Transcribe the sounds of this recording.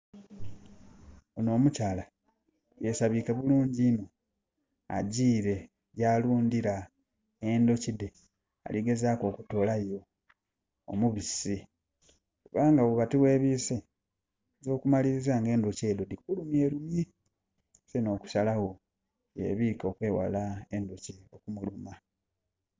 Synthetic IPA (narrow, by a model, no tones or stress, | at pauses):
ono̞ːmucala | je̞saβikeβuluːɲɟino | a̰ɟiːɾe̞ | ɟaːluːndiɾa | e̞ndo̞cide | a̰liɡe̞zaːko̞ːkutoːlajo̞ː | muβisi | uβaːŋɡawukatiwe̞ːβiːse | zo̞ːkumaliɾizaːŋɡe̞ːndoce̞ːdo̞dikulumje̞ːɾumji | seno̞ːku̥salaho̞ | jḛβiːko̞ːkwe̞ːwa̰laendociokumuluma